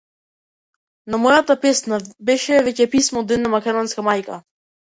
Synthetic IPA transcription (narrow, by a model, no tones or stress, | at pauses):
namɔjat̪apɛsnabɛʃɛvɛcɛpismɔːd̪ɛd̪namakɛd̪ɔnskamajka